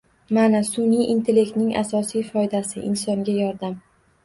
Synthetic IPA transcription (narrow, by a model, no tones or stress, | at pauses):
manasʊnijʔɪnt̪ʰe̞le̞k̚ʲt̪nɪŋʔa̰sɒsijfɒjd̪asɪ̰ʔɪnsɒŋɡʲajɒɾd̪am